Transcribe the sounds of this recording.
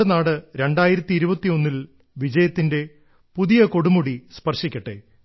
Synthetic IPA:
enaːɽɨɾe̞ɳɖaːjiɾɐt̪ːiːɾubɐt̪ːio̞nːil | ʋid͡ʑɐjɐt̪ːinde̞ | puðijɐko̞ɽumuɽispɐrʂikʲːɐʈːḛ

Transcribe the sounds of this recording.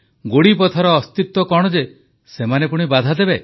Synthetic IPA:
ɡoɽip̬ɔt̪ʰɔɾɔːst̪it̪ːɔkɔɽ̃ɔd͡ʒe | semanepuɽ̃ibad̪ʱad̪ebe

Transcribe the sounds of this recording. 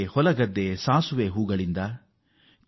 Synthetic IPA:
hɔlɐɡɐd̪ːesaːsuʋeːɦuːɡɐɭind̪ɐ

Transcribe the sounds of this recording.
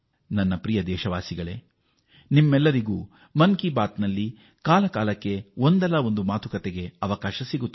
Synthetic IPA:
nɐnːɐpɾijɐd̪ɛːʃɐʋaːsiɡɐɭe̞̰ː | nimːɛlːɐɾiɡuː | mɐŋkibaːt̪nɐlːi | kaːlɐkaːlɐkːe̞o̞nd̪ɛlɐo̞nd̪umaːt̪ukɐt̪eɡe̞ɐʋɐkaːʃɐsiɡut̪ː

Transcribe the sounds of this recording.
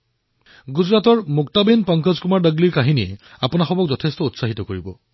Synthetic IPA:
ɡuzɹatɔɹmʊk̚tabenpɔŋkɔzkumaɹdəɡliɹkaɦiniɛapʊnaxɔbɔk̚zɔtʰestɔutsaɦitɔkoɹibɔ

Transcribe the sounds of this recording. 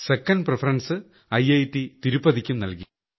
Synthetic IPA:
sekːɐnprefʰɐɾɐnsɨ | ɐjɐjtːit̪iɾupːɐðikʲːumnɐlki

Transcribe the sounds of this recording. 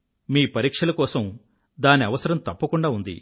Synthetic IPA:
miːpɐɾiːkʂɐlɐkɔːsɐm | d̪aːniɐʋɐsɐɾɐmt̪ɐpːɐkuɳɖaːund̪ḭ

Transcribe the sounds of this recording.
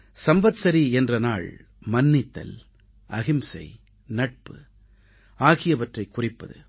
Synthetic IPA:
sɐmbɐt̪sɐɾiɛndrɐnaːɭ | mɐnːɪt̪ːɐ̰l | ʔɐɣɪmsɐ̰ɪ | nɐʈ̚pɯ | aːɣɪjɐʋɐʈrɐɪkːʊrɪpːɐðɯ̰

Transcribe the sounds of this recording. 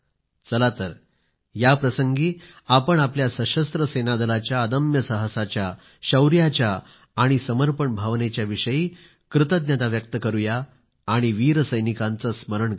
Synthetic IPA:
t͡səlat̪əɾ | japɾəsəŋɡiː | apəɳapljasəɕəst̪ɾəsenad̪əlat͡ɕjaəd̪əmjəsəɦəsat͡ɕja | ɕəwɾjat͡ɕjaː | ɽ̃isəməɾpəɳbʱaʋnet͡ɕjaʋiʂəjiː | kɾɪt̪əd̪̚nʲjat̪aʋjək̚t̪əkəɾujaː | ɽ̃iʋiːɾəsəjnikãnt͡səsməɾəɳ

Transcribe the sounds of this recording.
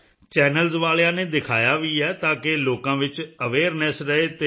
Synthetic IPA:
t͡ʃɛːnəlzʋaːljãːneːd̪ɪkʰaːjaːʋiːɛːt̪ãːkeloːkãːʋɪt͡ʃəʋeːɾnɛsɾəeːt̪eː

